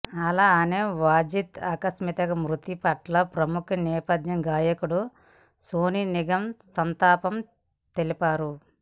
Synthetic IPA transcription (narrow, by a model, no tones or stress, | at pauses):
ɐlaːneːʋaːd͡ʒit̪aːkɐsmit̪ɐkɐmɾut̪ipɐʈlɐpɾɐmukʰɐnɛːpɐd̪jɐŋɡaːjɐkuɽu | soːniniɡɐmsɐnt̪aːpɐm | t̪elipaːɾu